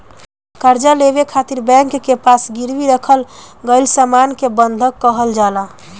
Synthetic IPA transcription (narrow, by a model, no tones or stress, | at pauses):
kəɾd͡ʒalebekʰat̪iɾbɛ̃ŋkːepasɡiɾʋiɾəkʰəlɡəɪlsəmankebənd̪ʱəkːəɦəld͡ʒala